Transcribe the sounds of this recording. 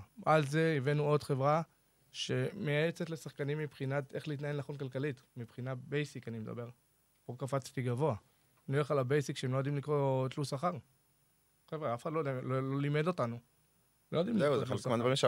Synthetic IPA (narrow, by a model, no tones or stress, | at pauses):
alze̞ivenuo̞dχe̞vʁa | ʃe̞mejajet͡setle̞saχkanimːipχinate̞χleit̬naenaχo̞nkalkalitmipχinabejsikanimed̪a̰be̞ʁ | pokafat͡st̪iɡavo̞a | noeχalabejsikʃeemlojd̪imlikʁot̪lusaχaʁ | χevaafeχadlojdalololimedo̞tanu | lojodimlizealmanvemeʃa